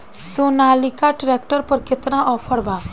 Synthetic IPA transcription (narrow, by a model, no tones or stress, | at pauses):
sonalikaʈɾek̚ʈəɾpəɾket̪nãʔɔpʰəɽbã